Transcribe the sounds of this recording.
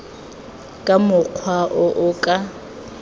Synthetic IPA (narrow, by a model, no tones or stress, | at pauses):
kʼamʊq͡χʰwaʔʊʔʊkʼa